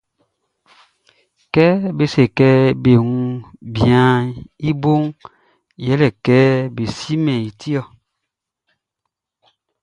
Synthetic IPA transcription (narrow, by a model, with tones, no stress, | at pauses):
kɛ˦be˦se˨kɛ˦be˨ŋu˦bjã˨˦i˦bo˦ŋ | jɛ˦lɛ˨kɛ˦be˨si˦mɛ̃˨i˨tʰi˦ɔ˦˨